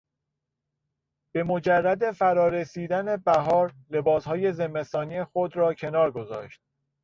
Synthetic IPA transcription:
b̥e̞mo̞d͡ʒærːæd̪e̞fæɾɒːɾesiːd̪æne̞bæɦɒːɾ | le̞bɒːshɒːje̞ze̞mːe̞st̪ɒːniexod̪ɾɒːcʰe̞nɒːɾɡo̞zɒ̰ːʃt̪̚

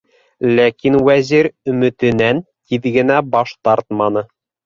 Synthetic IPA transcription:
lækinwæziɾɵ̆mɵ̆t̪ɘ̆nænt̪iðɡɘ̆næbɑʃt̪ɑɾt̪mɑnɤ

